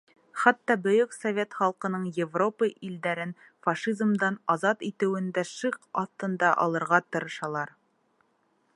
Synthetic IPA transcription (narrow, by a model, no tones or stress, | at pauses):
χæt̪ːɑbɵ̆jɵksovʲe̞t̪χɑlˠqɤ̆nɤɴjɪvro̞pəʔild̪æɾɘn | fɑʃizmd̪ɑnɑzɑt̪it̪ɘ̆wɘ̆nd̪æʃɤqɑθt̪ːɤ̆nd̪ɑʔɑ̰lˠɤ̆ɾʁɑt̪ɤ̆ɾɤ̆ʃɑlˠɑɾ